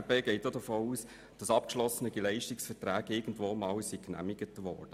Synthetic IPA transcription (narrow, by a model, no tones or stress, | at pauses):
beɡeɪt̚ːodəfoːuːs | d̥ɑsɑp̚kʃlɔsənəɡ̥ɛlɛɪʃtɪksfɛtræːɡɪɡ̥ən̩dvoːmɑːwsiknæ̰mɪɡ̥ətvɔ̰ːrd̥ə